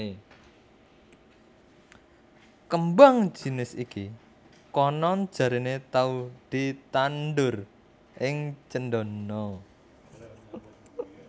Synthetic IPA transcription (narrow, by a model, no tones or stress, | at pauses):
kəmbaŋ̥d͡ʒ̥i̤nɪsiki | kɔnɔnd̥ʒ̥a̤ɾinet̪aud̪̥i̤t̪anɖʊr | ʔɪŋt͡ʃəndɔnɔ